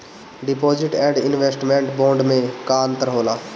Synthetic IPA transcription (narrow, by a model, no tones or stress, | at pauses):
ɖɪpoːd͡ʒɪʈɛ̃ːɖɪnʋeːsʈmẽːɳʈbõːɳɖmẽkaːnt̪əɾɦoːlaː